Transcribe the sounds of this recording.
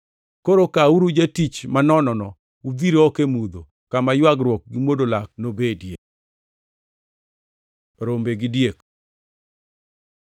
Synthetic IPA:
koɾokauɾud͡ʒetit͡ʃmanɔnɔnɔ | ud̪iɾoɔkemud̪o | kamajwaɡɾwɔk̚ɡɪmwodolak̚nobedjek̚ | ɾombeɡɪdjek

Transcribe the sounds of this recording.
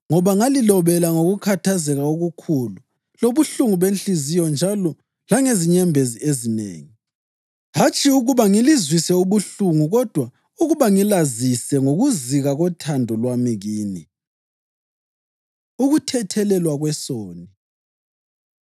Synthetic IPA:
ŋɔβaŋalilɔβɛlaŋoɣukʰatʰazɛɣaoɣukʰulu | loβuɬuŋuβent͡ɬizijɔnd͡ʒʱalɔ | laŋeziɲɛmbʱeziezinḛːŋi | ɦat͡ʃʼʰiuɣuβaŋilizwisɛuβuɬuŋuɣɔd̥ʱwa | uɣuβaŋilazisɛŋoɣuziɣaɣɔtʰandʱɔlwamiɣiːni | uɣutʰɛtʰɛlɛlwaɣwɛsoːni

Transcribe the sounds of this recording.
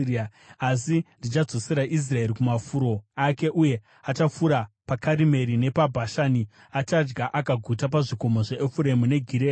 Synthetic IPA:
a | asindit͡ʃad͡zo̞se̞ɾaʔis̬rae̞ɾikumafuɾo̞ake̞ʔuje̞ | at͡ʃafuɾapakaɾime̞ɾine̞pabʱaʃani | at͡ʃad͡ʒɡaʔakaɡʱutap̬aʐiko̞moʐe̞ːfuɾe̞mune̞ɡʱiɾe

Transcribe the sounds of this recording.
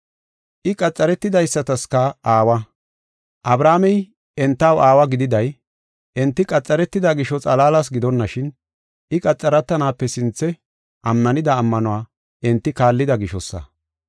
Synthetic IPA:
ʔɪkʼɐt͡sʼːɐɾɛt̪ːɪd̪ɐjsːɐt̪ɐskɐaːwɐ | ʔɐbɾaːmɛj | ɛnt̪ːɐwaːwɐɡɪd̪ɪd̪ɐj | ɛnt̪ːɪkʼɐt͡sʼːɐɾɛt̪ːɪd̪aɡɪʃɔt͡sʼɐlaːlɐs̬ɡɪd̪ɔnːɐʃɪn | ʔɪkʼɐt͡sʼːɐɾɐt̪ːɐnaːpːɛsɪnt͡sːɛ | ʔɐmːɐnɪd̪ɐːmːɐnɔwaː | ʔɪnt̪ːɪkaːlːɪd̪ɐɡɪʃɔsːɐ̰

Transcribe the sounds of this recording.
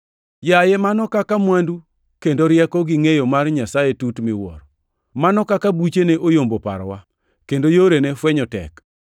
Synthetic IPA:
jajɛmanɔkakamwandu | kendoɾjɛkɔɡɪŋejomarɲasajetutmɪwɔ̰ɾɔ | manɔkakabut͡ʃeneʔojombopa̰ɾwa | kendojoɾenefwɛɲɔtɛ̰k

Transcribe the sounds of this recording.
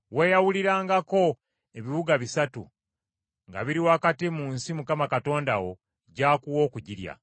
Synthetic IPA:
we̞ːjawuliɾaːŋɡako̞ | e̞βiβuɡaβisatṵ | ŋɡa̰βiɾiwaːkatimuːnsimukamakato̞ːndawo̞ | ɟaːkuwo̞ːkuɟiɾja̰

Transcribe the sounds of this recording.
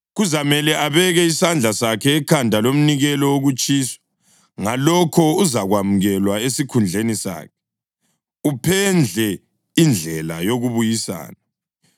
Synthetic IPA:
ɣuzamɛlɛʔaβɛɣɛisand͡ɮʱasakʰɛːkʰandʱalom̩niɣɛlɔwoɣut͡ʃʼiːsɔ̥ | ŋalɔkʰɔuzaɣwamuɣɛlwaesikʰund͡ɮʱenisa̰ːkʰɛ̥ | upʰɛnd͡ɮʱɛ | ind͡ɮʱɛla̰joɣuβujisa̰ːna

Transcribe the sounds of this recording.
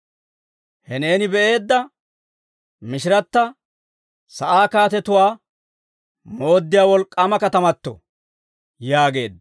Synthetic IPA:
hɛne̞ːnɪbɛʔe̞ːd̪ːɐ | mɪʃɪɾɐt̪ːɐ | sɐʔaːkaːt̪ɛt̪ʊwaː | mo̞ːd̪ːɪjaːwɔlkʼːaːmɐkɐt̪ɐmɐt̪ːɔ̰ | jaːɡe̞ːd̪

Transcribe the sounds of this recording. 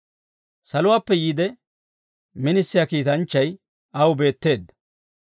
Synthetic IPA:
sɐlʊwaːpːɛjiːd̪ɛ | mɪnɪsːɪjakiːt̪ɐnt͡ʃːɐj | ɐwbe̞ːt̪ːe̞ːd̪ɐ

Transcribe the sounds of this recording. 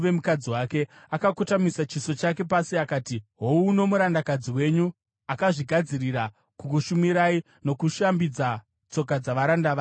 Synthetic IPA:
ʋemukad͡ziwake̞ | akakotamisat͡ʃiso̞t͡ʃake̞pasiakaːtiɦo̞uːno̞muɾandakad͡ziwe̞ɲu | akaʐiɡʱad͡zirira | kukuʃumiɾai | no̞kuʃambid͡za | t͡so̞k̬ad͡zaʋaɾandaʋa

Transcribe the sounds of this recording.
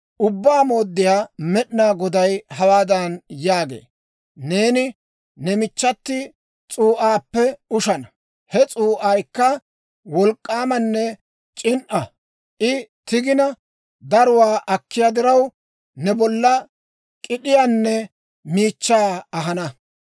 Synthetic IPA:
ʔʊbːaːmo̞ːd̪ːɪjaːmɛɗnaːɡɔd̪ɐjhɐwaːd̪ɐnjaːɡḛː | ne̞ːnɪ | nɛmɪt͡ʃːɐt̪ːɪ | t͡sʼuːʔaːpːɛʊʃɐnɐ | hɛt͡sʼuːʔaːjkːɐ | wɔlkʼːaːmɐnːɛ | t͡ʃʼɪnʔɐ | ʔɪt̪ɪɡɪnɐ | d̪ɐɾʊwaːʔɐkːɪjaːd̪ɪɾɐw | nɛbɔlːɐ | kʼɪɗɪjanːɛ | miːt͡ʃːaːɐɦɐnɐ

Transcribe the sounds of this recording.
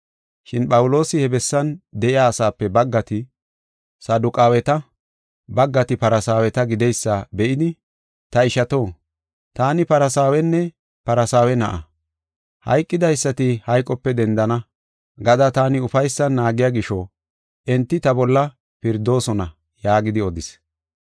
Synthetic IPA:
ʃɪnɓɐwʊlo̞ːsɪhɛbɛsːɐnd̪ɛʔɪjaːsaːpːɛbɐɡːɐt̪ɪ | sɐd̪ʊkʼaːwɛt̪ɐ | bɐɡːɐt̪ɪpɐɾɐsaːwɛt̪ɐɡɪd̪ɛjsːɐbɛʔɪd̪ɪ | t̪ɐɪʃɐt̪o̞ː | t̪aːnɪpɐɾɐsaːwɛnːɛ | pɐɾɐsaːwɛnɐ̰ʔɐ̰ | hɐ̰jkʼːɪd̪ɐjsːɐt̪ɪhɐjkʼːɔpːɛd̪ɛnd̪ɐnɐ | ɡɐd̪ɐt̪aːnɪʊfɐjsːɐnːaːɡɪjaːɡɪʃɔ | ʔɛnt̪ːɪt̪ɐbɔlːɐ | pɪɾd̪o̞ːsɔnɐ | jaːɡɪd̪ɪɔd̪ɪs

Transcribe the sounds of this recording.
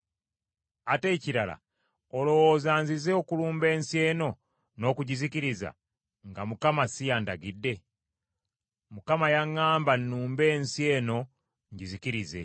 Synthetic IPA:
ate̞ːciɾala̰ | olo̞wozaːnzizeokuluːmbe̞ːnsje̞ːno̞ | no̞ːkuɟiziciɾiza̰ | ŋɡamukamasijaːndaɡidːe̞ | mukamajaŋːaːmbanːuːmbe̞ːnsje̞ːno̞ | ɲɟiziciɾize̞̰

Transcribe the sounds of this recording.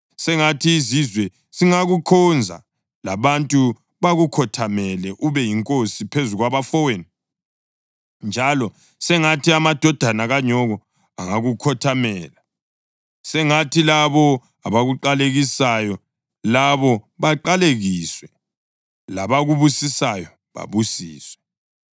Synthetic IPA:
sɛŋatʰiːzizwɛ | ziŋaɣukʰɔnd͡zʱa̰ | la̰βantʼu | βaɣukʰɔtʰamɛlɛʔuβɛjiŋkʼosipʰezuɣwaβafɔweni | nd͡ʒʱalɔ | sɛŋatʰiamad̥ʱɔd̥ʱanaɣaɲɔɣɔ | aŋaɣukʰɔtʰamɛːla | sɛŋatʰilaβɔ | aβaɣuǃaleɣisajɔ | laβɔβaǃaleɣiːswɛ | laβaɣuβusisajɔ | βa̰βusiːswɛ

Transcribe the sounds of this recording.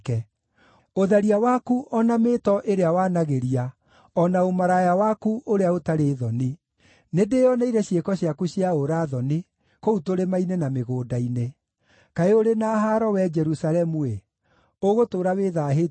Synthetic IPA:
kɛ | oðaɾiawakuʔɔnameːtɔʔeɾeawaːnaɣeɾia | ɔnaomaɾajawakuʔoɾeaotaɾeːðɔni | nedeɔnaiɾɛɕjekɔɕjakuɕiaoɾaðɔni | koutoɾemainenameɣoːdaine | kaeoɾenaːɦaɾɔwɛd͡ʒɛɾusalɛmue | oɣotoːɾaweːðaɦe

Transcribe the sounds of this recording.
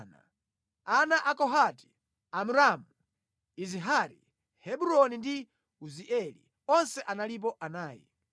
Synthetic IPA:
na̰ | anaʔakɔɦati̥ | amuɾamu | iziɦaɾi | hɛbuɾɔnindi | uziʔɛlḭ | ɔnsɛʔanalip̬ɔʔanaːjḭ

